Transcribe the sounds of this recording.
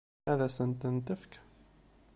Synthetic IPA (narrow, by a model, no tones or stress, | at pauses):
æðæsənt̪ənt̪əfk